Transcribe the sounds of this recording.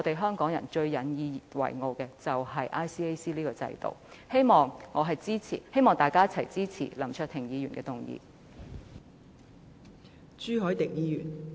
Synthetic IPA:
t̪e˨jɦœː˥ŋkɔː˨˥ŋjɐ˨˩nt͡ʃɵ˧ɥjɐ˨˥njiː˧wɐ̰˨˩jŋo˨˧wkɛː˧t͡sɐ˨whɐ˨jʔaː˥jsiː˥e˥jsiː˥liː˥kɔː˧t͡sɐ̰˧jt̪o̰˨˩whe˥jmɔː˨˩ŋŋɔː˨˧ɦɐ˨jt͡siː˥t͡sʰḭ˨˩he˥jmɔː˨ŋt̪aː˨jkaː˥jɐ˥t͡sʰɐ˨˩jt͡siː˥t͡sʰḭː˨˩lɐ˨˩mt͡ʃʰœː˧t̪ʰɪ˨˩ŋjiː˨˧jyː˨˩nkɛː˧t̪ʊ˨˩ŋjḭː˧ | t͡ʃyː˥ɦɔː˨˥jt̪ɪ˨k̚jiː˨˧jyː˨˩n

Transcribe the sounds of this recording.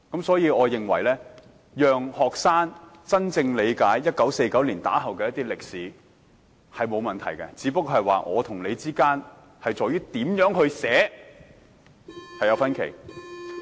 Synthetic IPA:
kɐ˨˥msɔː˨˥jiː˨˧ɔː˨˧jɪ˨ŋwɐ˨˩jlɛː˥ | jœː˨ŋhɔː˨k̚saː˥n | t͡sɐ˥nt͡sɪ˧ŋle˨˧jkaː˨˥jːɐ˥t̚kɐ˨˥wse˧jkɐ˨˥wliː˨˩nt̪a̰ː˨˥ɦɐ˨wkɛː˧jɐ˥t̪iː˥lɪ˨k̚siː˨˥ | hɐ˨jmo˨˧wmɐ˨nt̪ʰɐ˨˩jkɛ˧t͡siː˨˥pɐ˥k̚ːɦɐ˨jwa̰ː˨ʔɔ̰ː˨˧t̪ʰʊ˨˩ŋle˨˧jt͡siː˥kaː˥n | hɐ˨jt͡sɔː˨jɥyː˥t̪iː˨˥mjœː˨˥ŋhɵ˧ɥsɛː˨˥ | hɐ˨jɐ˨˧wfɐ˥nkʰḛ˨˩j

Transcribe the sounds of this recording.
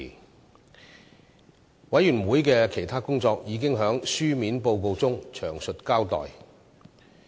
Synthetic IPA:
wɐ˨˥jyː˨˩nwuː˨˥jkɛː˧kʰe˨˩jt̪ʰaː˥kʊ˥ŋt͡sɔː˧k̚jiː˨˧kɪ˥ŋɦœː˨˥ŋsyː˥miː˨˥npo˧wko˧wt͡sʊ˥ŋt͡ʃʰœː˨˩ŋsɵ˨t̚kaː˥wt̪ɔ̰ː˨j

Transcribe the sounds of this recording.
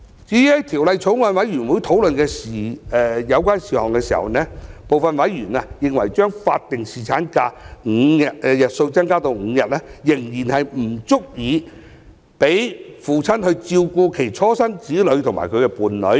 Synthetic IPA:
t͡siː˨˥jt̪ʰiː˨˩wlɐ˨jt͡sʰʊ˨˥wŋaː˨˧nwɐ˨˥jɥyː˨˩nwuː˨˥jt̪ʰo˨˥wlɵ˨nkɛː˧siː˨ɛ˧jɐ˨˧wkʷaː˥nsiː˨hɔ̰ː˨˩ŋkɛː˧siː˨˩hɐ̰˨wnɛː˥po˨wfɐ˨nwɐ˨˥jɥyː˨˩na˧jɪ˨ŋwɐ˨˩jt͡ʃœː˥ŋfaː˧t̚t̪ɪ˨ŋsiː˨t͡sʰaː˨˥nkaː˧ŋ̩˨˧jɐ˨t̚ːjɐ˨t̚so˧wt͡sɐ˥ŋkaː˥t̪o˧wŋ̩ː˨˧jɐ˨t̚lɛː˥jɪ˨˩ŋjiː˨˩nhɐ˨jm̩˨˩t͡sʊ˥k̚jiː˨˧ | pe˨˥jfuː˨˩t͡sʰɐ˥nhɵ˧ɥt͡siː˧wkuː˧kʰe˨˩jt͡sʰɔː˥sɐ˥ŋt͡siː˨˥lɵ˨˧˥ɥt̪ʰʊ˨˩ŋma̰˨˩kʰɵ˨˧ɥkɛ˧puː˨˩nlɵ˨˥ɥ

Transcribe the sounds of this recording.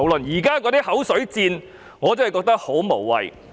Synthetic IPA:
wlɵ˨njiː˨˩kaː˥k̬ɔː˧t̪iː˥hɐ˨˥wsɵ˨˥ɥt͡siː˧n | ŋɔː˨˧t͡sɐ˥ɐ˨jkɔː˧k̚t̪ɐ˥k̚ho˨˥wmo˨˩wːɐ̰˨j

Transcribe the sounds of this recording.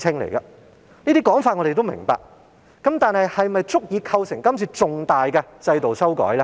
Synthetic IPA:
ɪ˥ŋlḛ˨˩jkɐ˧ | niː˥t̪iː˥kɔː˨˥ŋfaː˧t̚ŋɔ˨˧ɾe˨jt̪o˥wmɪ̰˨˩ŋpa̰ː˨k̚ | kːɐ˨˥mt̪aː˨nhɐ˨jhɐ˨jmɐ˨jt͡sʊ˥k̚jiː˨˧kʰɐ˧wsɪ˨˩ŋkɐ˥mt͡sʰiː˨˧t͡sʊ˨ŋt̪aː˨jkɛ˧t͡sɐ˧jt̪o˨wsɐ˥wkɔ̰ː˨˥jlɛ˥

